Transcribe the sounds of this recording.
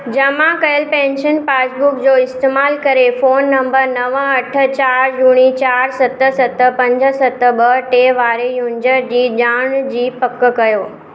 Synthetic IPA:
d͡ʑɐmãkɐjəlpɛ̃ːnʃənpaːsbʊkd͡ʑoːɪst̪eːmaːlkɐɾefoːnːɐ̃mbəɾnɐʋə̃ɐʈʰə̆t͡ɕaːɾd͡ʑuːɽ̃it͡ɕaːɾsɐt̪əsɐt̪ə̆pɐ̃ɲd͡ʑə̆sɐt̪ə̆ɓəʈeʋaːɾejuːɲd͡ʑəɾd͡ʑiːʄaːɽ̃d͡ʑiːpɐkːəkɐjoː

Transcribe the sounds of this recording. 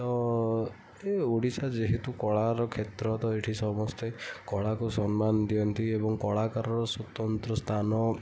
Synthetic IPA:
t̪ɔ | euɽisad͡ʒeɦet̪ukɔɭaɾɔkʰet̪ɾɔt̪ɔeʈʰisɔmɔst̪ekɔɭakusɔnmanɔd̪iɔnt̪iebɔŋkɔɭakaɾɔɾɔsut̪ɔnt̪ɾɔst̪ʰanɔ

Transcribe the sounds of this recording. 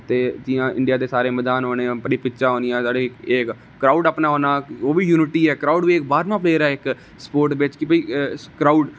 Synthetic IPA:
t̪eːd͡ʒ̪ɪjãːʔɪ̰ɳɖɪjaːd̪eːsaːɾeːmɛːd̪aːnɦoːneːãːpəɽiːpɪːʃaːɦoːnijãːsaːɖeːk | kɾaːɖaːpnaːɦoːnaːoːʋiːjuːnɪʈiːɛːkɾaːʊːɖʋiːɪk̚baːɾmãːpʰleːɾaːɪk | spoːɾʈʋɪt͡ʃkɪbəiːkɾaːuɖ

